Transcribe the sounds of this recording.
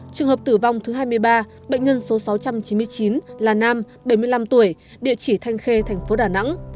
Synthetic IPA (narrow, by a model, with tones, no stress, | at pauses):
t͡ɕɨ˨˩əŋɦəː˨˩p̚t̪ɨ˧˩va˧wŋ͡mt̪ʰɨ˨˦ɦaː˧jmɨ˧əjɓaː˧ | ɓə̰˧˨ŋ̟ɲə˧nso˨˦sa˨˦wt͡ɕa˧mt͡ɕi˨˦mɨ˧əjt͡ɕi˨˦nlaː˨˩naː˧m | ɓə˧˩jmɨ˧əjla˧mt̪u˧˩əj | ɗḭ˧˨ət͡ɕi˧˩t̪ʰa˧jŋ̟xe˧t̪ʰɛ˨˩jŋ̟fo˨˦ɗaː˧˩na̰˧˥ŋ